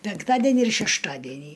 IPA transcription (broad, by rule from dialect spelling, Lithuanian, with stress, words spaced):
pʲɛŋkˈtɑːdʲɛnʲiː ɪr ʃʲɛʃˈtɑːdʲɛnʲiː